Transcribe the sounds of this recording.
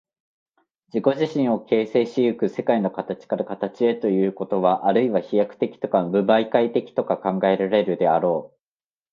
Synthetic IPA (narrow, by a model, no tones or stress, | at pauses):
d͡ʑiko̞ʑiɕĩɰ̃o̞ke̞ːse̞ːɕijɯ̟kɯ̟se̞kaino̞kat̪at͡ɕi̥kaɾakat̪at͡ɕie̞t̪o̞jɯ̟ːko̞t̪o̞βaʔaɾɯ̟iβaçijakɯ̟̥t̪e̞kʲi̥t̪o̞kabɯ̟baikait̪e̞kʲi̥t̪o̞kakãŋɡae̞ɾaɾe̞ɾɯ̟d̪e̞aɾo̞ː